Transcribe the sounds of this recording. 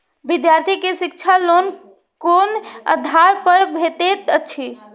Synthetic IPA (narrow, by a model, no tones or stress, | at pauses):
bid̪jaɾt̪ʰikesik̚t͡ʃʰalon | konə̰d̪ʱaɾpəɾbʱet̪et̪ət͡ʃʰi